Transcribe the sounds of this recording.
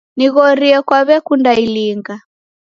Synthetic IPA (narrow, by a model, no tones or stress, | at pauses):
niɣɔɾiɛkwaβɛkundailiŋɡa